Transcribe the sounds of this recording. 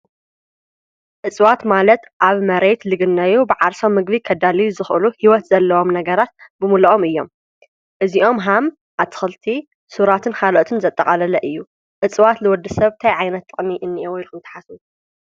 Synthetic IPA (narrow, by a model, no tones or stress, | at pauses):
ʔɨt͡sʼwat̪malɐt̪ʔaβmɐɾe̞t̪lɨɡɨnːɐjubɨʕaɾsomːɨɡβikʰɐd̪alijuzɨxʔɨluhiwɔt̪zɐlːɐwo̞mnɐɡɐɾat̪̚bɨmulɐʔomɨjːo̞̰m | ʔɨziʔo̞mɦam | ʔaβt̪ʰɨ̥xɨlt̪ʰi | suɾat̪ʰɨnkʰalʔot̪ʰɨnzɐt̪ʼːɐkʼɐlɐlɐʔɨjːu | ʕɨt͡sʼwat̪lɨwɔd̪ːɐsɐβt̪ʰajʕajnɐt̪ʰːʼɨχʼniʔɨnːiʔowjlkɨnt̪ʰɐ̥ħasu